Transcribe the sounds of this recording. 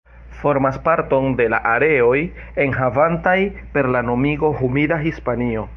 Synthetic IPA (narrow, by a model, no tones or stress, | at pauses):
fo̞ɾmaspaɾto̞nde̞la̰ʔaɾe̞o̞j | e̞nɦavantajpe̞ɾlano̞miɡo̞ɦumidaɦispanio̞